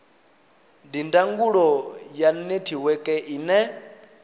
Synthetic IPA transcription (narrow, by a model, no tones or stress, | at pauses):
ndindaŋɡuɺɔjanetʰiwɛkʼɛʔiːnɛ